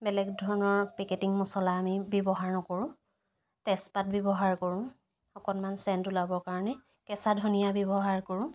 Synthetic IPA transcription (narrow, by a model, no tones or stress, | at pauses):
bɛlɛɡdʱɔɹɔnɔɹpɛketiŋmɔsɔlaːmibjɔbɔɦaɹnɔkoɹʊ̃ | tɛspat̚bɔbɔɦaɹkoɹʊ̃ | ɔkɔnmansɛntulabɔkaɹɔnɛ | kɛsadʱɔnijabɔbɔɦaɹkoɹʊ̃